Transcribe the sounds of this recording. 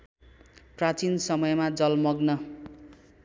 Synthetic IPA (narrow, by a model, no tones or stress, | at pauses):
prat͡sinsʌmʌjmad͡zʌlmʌɡnʌ